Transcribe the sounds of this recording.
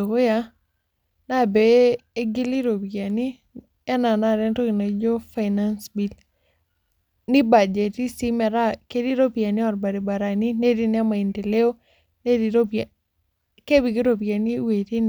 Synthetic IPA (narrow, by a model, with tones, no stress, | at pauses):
o˨ko˦ja˦ | na˦˨beː˨˦ɡɪ˦li˦ɾo˨pika˨ni˦ | ɛ˦na˨na˦˨ɾe˦nto˦ki˨na˨d͡ʒo˦fa˨ɪna˦nsbi˨l | ni˦ba˨d͡ʒe˨ti˦si˦mɛ˨ɾa˦ke˦di˦ɾo˦pia˨ni˦ɔ˨ɾba˨ɾi˨ba˨ɾa˨ni˦ne˦di˦nɪ˦a˦ma˨i˨nte˨le˦o˦ | ne˦di˨ɾo˦p | ke˦bi˨ɡi˦ɾo˨p̬ia˨ni˦we˨ti˦n